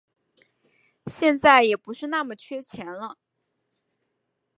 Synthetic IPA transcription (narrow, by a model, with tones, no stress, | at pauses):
ɕjɛ˥˧nt͡sa˥˩ɪjɛ˨˩pu˧˥ʂɻ̩˥˧na˥˩mə˨˩t͡ɕʰɥɛ˥t͡ɕʰjɛ˧˥nlə˧